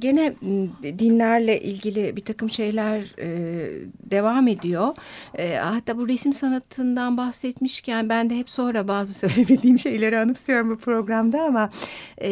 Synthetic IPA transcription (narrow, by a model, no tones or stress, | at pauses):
ɟe̞nɛd̪inlʲæɾlʲɛʔilʲɟilʲɪbit̪ʰakɯmʃe̞jlʲæɾ | d̪e̞vame̞d̪ijo̞ː | hat̪ʰːaːbuɾesmsanat̪ʰːɯnd̪anbaxsɛt̪miʃcʰænbænd̪ɛɦɛpso̞nɾabaːzɯsø̞jlʲebid̪iːmʃe̞jlʲe̞ɾianɯklˠɯjo̞ɾumbupʰɾo̞ɡɾamd̪aama